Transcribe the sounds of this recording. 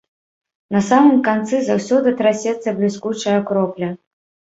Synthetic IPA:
nɐsamɨmkant̪sɨzawsʲɔd̪ɨt̪ɾasʲɛt̪sːɐblʲiskut͡ʂɐjɐkɾɔplʲɐ

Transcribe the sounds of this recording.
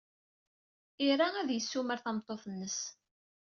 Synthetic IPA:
iɾaæðjəsːuməɾθɑmt̪ˤːoθˤnːəs

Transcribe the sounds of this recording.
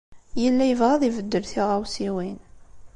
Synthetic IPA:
jəlːæjəvʁaðˤivəd̪ːəɾθiʁawsiwin

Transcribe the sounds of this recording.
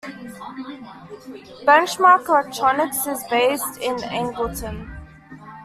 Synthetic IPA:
b̥ɛ̃nt͡ʃmɑːˑkəlɛk̚tʰɹ̥ɔnɪksɪzbeɪstɪ̃næ̰̃ŋɡəlˠtə̃n

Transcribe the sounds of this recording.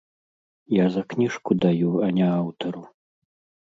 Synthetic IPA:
jazɐknʲiʂkud̪ajuɐnʲɛawt̪ɐɾu

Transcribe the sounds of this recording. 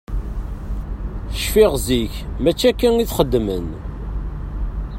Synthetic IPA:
θəʃfiʁziçmæt͡ʃːækːæniθχəd̪ːmən

